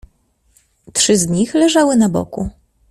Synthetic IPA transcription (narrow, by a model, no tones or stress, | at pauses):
tʂɘzɲixlɛʐawɘnabɔ̰ku